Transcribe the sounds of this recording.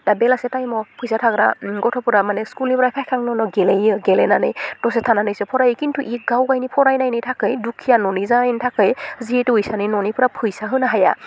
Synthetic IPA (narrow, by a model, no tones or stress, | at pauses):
d̥abɛlasɛtajmɔpʰujsatʰakɾa̰ɡɔtʰɔpuɾamanɛskulnipɔɾajpʰajkʰaŋnɔnɔɡɛlejɯɡɛlɛnanɯjtɔsɛtʰananɯjsɯpʰɔɾajikintʰuʔik̚ɡawɡajnipʰɔɾajnajnijtʰakɯjdukʰijanɔnizajntʰakɯjzietuɯjsaninɔnipʰuɾapʰujsaɦɯnaɦaja̰